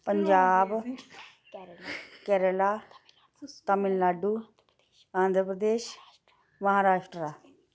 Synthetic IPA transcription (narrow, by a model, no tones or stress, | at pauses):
pəɲd͡ʒaːb | kɛːɾəlaː | t̪əmɪllaːɖuː | ãːnd̪ʱɾəpɾəd̪eːʃ | mɐɦaːɾaːʂʈɾa